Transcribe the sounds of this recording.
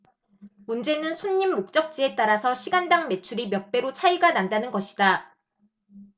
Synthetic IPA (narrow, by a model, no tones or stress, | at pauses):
mund͡ʑe̞nɯnsʰoɲːimːok̚t͡ɕ͈ʌk̚t͡ɕ͈ie̞t͈aɾasʰʌɕʰiɡandaŋme̞t͡ɕʰuɾimjʌp͈e̞ɾot͡ɕʰaiɡanandanɯnɡʌɕʰi̥da